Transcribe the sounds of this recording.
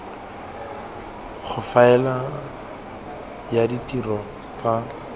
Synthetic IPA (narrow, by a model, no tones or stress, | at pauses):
χʰʊfaɛla | jaditirɔ | t͡sa